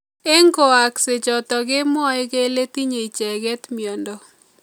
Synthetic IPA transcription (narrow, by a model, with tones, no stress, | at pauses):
e˦ŋko˨a˨kse˨t͡ʃɔ˨t̪ɔ˨ɡɪ˦mɔ˦e˦ɡe˦le˦ti˦ɲe˨i˨t͡ʃɛ˨ɡɛ˦t̪mi˨ɔ˨ndɔ˨